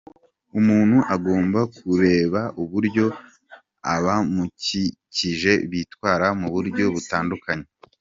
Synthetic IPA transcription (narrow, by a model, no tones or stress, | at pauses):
umuːn̥huʔaɡo̞ːmbakuɾe̞ːβaʔuβuɾɟo̞ | aβamuciciʒe̞βitwaːɾamuβuɾɟo̞βutaːndukaɲe̞